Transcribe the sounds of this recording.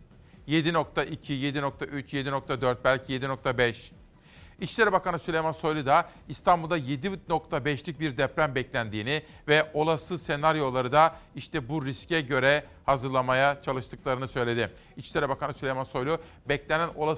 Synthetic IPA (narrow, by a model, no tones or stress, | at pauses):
je̞d̪ino̞k̚t̪ʰaʔicʰije̞d̪ino̞k̚t̪ʰaʔyt͡ʃje̞d̪ino̞k̚t̪ʰad̪øɾt̪̚bælʲcʰije̞d̪ino̞k̚t̪ʰabɛʃ | it͡ʃlʲeɾɛbakanɯsylʲejmanso̞jlʲˠud̪a | ist̪ʰambulˠd̪aje̞d̪ino̞kt̪ʰabɛʃlʲic̚biɾd̪ɛpɾæmbɛclʲænd̪iːnɪ | vɛo̞lˠasɯse̞naɾjo̞lˠaɾɯd̪aiʃt̪ʰɛbuɾiscɛɟø̞ɾɛ | hazɯɾlˠamajat͡ʃʰalˠɯʃt̪ʰɯklˠaɾɯnɯsø̞jlʲe̞d̪ɪ | it͡ʃlʲeɾɛbakanɯsylʲejmanso̞jlʲˠu | bɛclʲenæno̞̰lˠa